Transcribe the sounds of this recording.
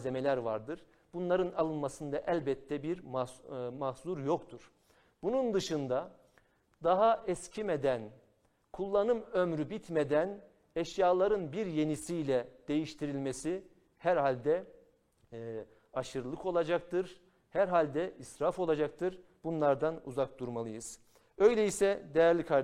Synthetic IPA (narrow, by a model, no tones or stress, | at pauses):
ze̞me̞lʲæɾvaɾd̪ɯɾ̥ | bunlˠaɾɯnalˠɯnmasɯnd̪aʔælʲbɛt̪ʰːɛbiɾ | mahzuɾjo̞kt̪ʰuɾ̥ | b̥unund̪ɯʃɯnd̪a | d̪aɦaʔɛscʰimed̪æn | kʰulˠːanɯmømɾybit̪ʰme̞d̪æn | ɛʃjaːlˠaɾɯnbiɾje̞nisijlʲɛd̪̥e̞jiʃt̪ʰiɾilʲmesi | hæɾhalʲd̪ɛ | aʃɯɾlˠɯko̞lˠad͡ʒak̚t̪ɯɾ̥ | hæɾɦalʲd̪ɛʔisɾafo̞lˠad͡ʒak̚t̪ʰɯɾ | b̥unlˠaɾd̪anṵzak̚d̪uɾmalˠɯjɯz̥ | ø̞jlʲejisɛd̪ejæɾlʲikʰaɾ